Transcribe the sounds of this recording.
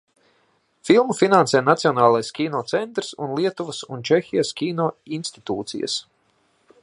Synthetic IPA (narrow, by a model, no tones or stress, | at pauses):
filˠmufinansɛjnat̪siɔnaːlˠajskʲiːnɔːt̪sɛnt̪ɾsunlˠiɛt̪uvəsunt͡ʃɛxʲijaskʲiːnɔːinst̪i̥t̪uːt̪sḭjə̰s